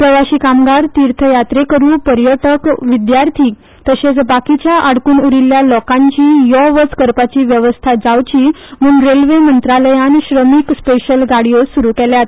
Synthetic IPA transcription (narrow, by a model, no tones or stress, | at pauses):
pɾəʋaɕiːkamɡaɾt̪iɾt̪ʰəjat̪ɾekəɾuːpəɾjəʈəkʋid̪jaɾt̪ʰiː | t̪əɕet͡sbakit͡ɕjaʔaɽkuːnuɾiljalɔkãɲt͡ɕiːjɔʋət͡skəɾpat͡ɕiːʋjəʋəst̪ʰad͡zaʋt͡ɕiː | muːŋɾelʋemənt̪ɾaləjanɕɾəmikspeɕəlɡaɽijosuɾukɛljat̪